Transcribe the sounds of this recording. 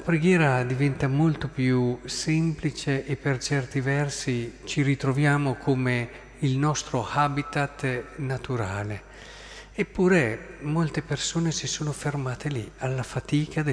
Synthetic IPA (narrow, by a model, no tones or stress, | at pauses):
apɾeɡjɛːɾad̪ivɛnt̪amolt̪opjusɛmplit͡ʃeʔːpːert͡ʃɛrt̪ivɛrsit͡ʃiɾit̪ɾovjaːmokʰome | ilnɔst̪ɾohabit̪at̪ːnat̪uɾaːle | epːuːɾemolt̪epersoːnesisoːnofermaːt̪elialːafat̪iːkʰad̪e